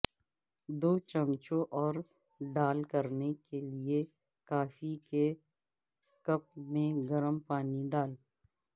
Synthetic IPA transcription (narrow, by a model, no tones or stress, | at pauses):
d̪oːt͡ʃɐmt͡ʃõʔɔːɾ | ɖaːlkəɾnekelie | kaːfike | kɐp̚mẽɡəɾəmpaːniɖaːl